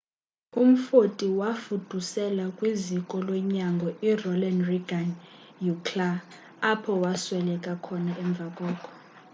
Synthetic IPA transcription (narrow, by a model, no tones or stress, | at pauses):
um̩fotʼiwafud̥ʱusɛlakʼwizikʼɔlɔɲaŋɡʱɔirɔlanriɡan | jukʰlaː | pʰɔwaswɛlɛkʼakʰɔnaɛɱb̪vʱakʼɔːkʰʼɔ̥